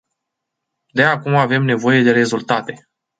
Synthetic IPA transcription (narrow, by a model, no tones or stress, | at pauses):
d̪e̞akumave̞mne̞vo̞je̞d̪e̞ɾe̞zult̪at̪e̞